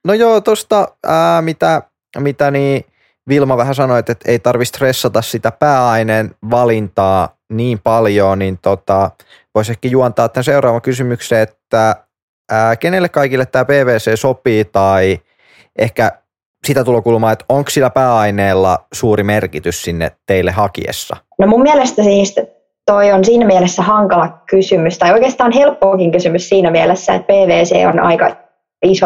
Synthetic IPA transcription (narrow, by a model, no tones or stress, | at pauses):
nojoːt̪ost̪ɑəːmit̪æ | mit̪æniː | ʋilmɑʋæhæsɑnoet̪et̪eit̪ɑrʋist̪resːɑt̪ɑssit̪æpæːɑineːnʋɑlint̪ɑː | niːmpɑljoːnint̪ot̪ɑ | ʋoisehkæjuɑnt̪ɑːt̪ːænseuwrɑːʋɑkysymykseːet̪ːæ | əːkenelːekkɑikilːet̪tæːpeːʋeːseːsopiːt̪ɑi | ʔehkæ | sit̪æt̪ulokulmɑːet̪oŋkssilːæpæːɑineːlːɑ̰suːɾimerkit̪yssinːḛtt̪eilːehɑkḭḛsːɑ̰ | nomummiælest̪æsiːst̪ | t̪oionsiːnæmiælesːæhɑŋkɑlɑkysymyst̪ɑjoijkeːst̪ɑːnɦelpːoːkiŋkysymyssiːnæmiælesːæḛt̪̚peːʋeːsḛːo̰nɑ̰ikɑ̰ | iso